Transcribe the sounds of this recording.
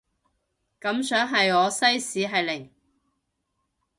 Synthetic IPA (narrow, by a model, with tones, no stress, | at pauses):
kɐ˨˥msœː˨˥ŋɦɐ˨jɔː˨˧sɐ˥jsiː˨˥ɦɐ˨jlɪ˨˩ŋ